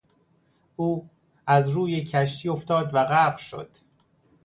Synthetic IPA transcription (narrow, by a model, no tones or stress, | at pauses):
ʔuː | æzɾuːjecʰæʃ̬t̪ʰiːo̞ft̪ɒːd̪væɣæbʃo̰d̪̥